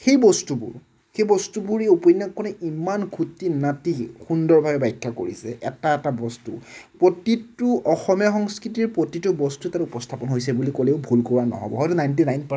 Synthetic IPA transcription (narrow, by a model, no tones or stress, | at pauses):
xejbɔstubṵɹ | xejbɔstubuɹeupɔjnːakːɔnɛimankʰutːinatixundɔɹbʱabɛbajkʰːako̰ɹḭsɛʔɛtaɛtabɔstṵpɹotitʊʔɔxɔmijaxɔŋskɹitiɹpɹotitubɔstutatupɔstʰapɔnɦojsɛbulikoleʊbʱulkɔɹanɔ̰ɦɔ̰bɔ̰ɦɔjtunajnt̬inajnp